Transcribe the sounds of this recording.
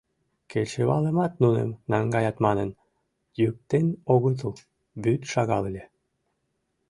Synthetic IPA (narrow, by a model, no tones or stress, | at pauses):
kʰet͡ɕeβɑləmɑt̪nunḛmnɑŋɡɑjɑt̪mɑnən | jyk̚t̪enoɣət̪̬əl | byt̪ʃɑɣɑlelʲe